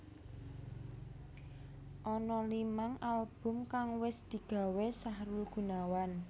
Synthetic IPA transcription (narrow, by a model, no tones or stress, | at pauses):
ʔɔnɔlimaŋalb̥ʊ̤mkaŋwɪsd̪̥i̤ɡ̥a̤wɛsahɾulɡ̥ṳnawan